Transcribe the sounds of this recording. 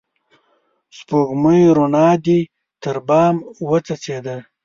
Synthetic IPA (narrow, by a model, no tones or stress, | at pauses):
spoɣməjɾonɑːd̪i | t̪əɾbɑːmwət͡sat͡sed̪a